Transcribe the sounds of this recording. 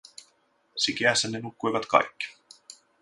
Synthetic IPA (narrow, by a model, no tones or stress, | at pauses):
sik̟eæsːænːenukːujʋɑt̪kɑ̰jkːi̥